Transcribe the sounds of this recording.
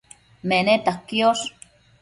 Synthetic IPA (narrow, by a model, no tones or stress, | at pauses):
menet̪akːios